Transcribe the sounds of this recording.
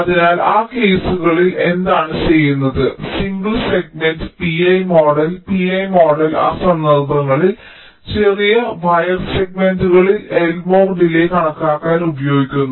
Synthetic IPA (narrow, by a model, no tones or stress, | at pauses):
ɐðinaːlaːke̞ːsuɣɐɭile̞nd̪aːɳɨt͡ɕe̞jːunːɐðɨsiŋɡɨlse̞ɡ̚mendɨpiɐjmo̞ːɖɐlpiɐjmo̞ːɖɐla̰ːsɐmnɐlbrɐŋːɐɭil | t͡ɕerijɐʋɐjɐrse̞ɡ̚menduɣɐɭilelmo̞ːrɖile̞kɐɳɐkːaːkːaːnubɐjo̞ːɡikʲːunːu